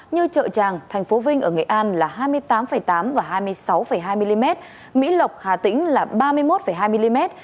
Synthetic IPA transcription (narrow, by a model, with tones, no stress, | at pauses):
ɲɨ˧t͡ɕə̰ː˧˨t͡ɕaː˨˩ŋt̪ʰɛ˨˩ŋ̟fo˨˦vï˧ŋ̟ʔəː˧˩ŋɨ̰˧˨jʔaː˧nlaː˨˩ɦaː˧jmɨ˧əjt̪aː˨˦mfə˧˩jt̪aː˨˦mvaː˨˩ɦaː˧jmɨ˧əjsa˨˦wfə˧˩jɦaː˧jmi˧li˧mɛ˦˥t̚ | mḭ˧˥lə˨˩wk͡p̚haː˨˩t̪ï˨˦ŋ̟laː˨˩ɓaː˧mɨ˧əjmo˦˥t̚fə˧˩jɦaː˧jmi˧li˧mɛ˦˥t̚